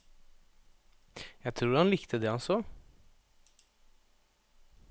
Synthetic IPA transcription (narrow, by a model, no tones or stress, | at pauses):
jæɡt̪ʰɾuːɾhɑnlɪkt̪ʰəd̪ɛɑso